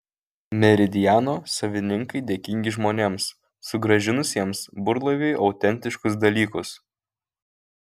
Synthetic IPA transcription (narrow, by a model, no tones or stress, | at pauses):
mʲɛɾʲɪd̪ʲɪjæːnoːsɐʋʲɪnʲɪŋkɐɪd̪ʲeːkʲɪŋʲɡʲɪʒmoːnʲeːms | sʊɡɾɐʒʲɪnʊsʲiɛmsbʊɾlˠɐʋʲeɪʔɒʊt̪ʲɛnʲt̪ʲɪʃkʊs̬d̪ɐlʲiːkʊs